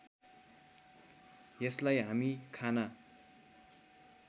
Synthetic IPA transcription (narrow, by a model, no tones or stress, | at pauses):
jʌslajɦamikʰanʌ